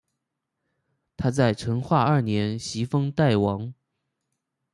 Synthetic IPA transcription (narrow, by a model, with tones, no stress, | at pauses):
t̪ʰa˥t͡sa˥˩ɪʈ͡ʂʰɤ˧˥ŋxwa˥˧ɐ˞˥˩njɛ˧˥nɕi˧˥fɤ˥ŋt̪a˥˩ɪwɑ˧˥ŋ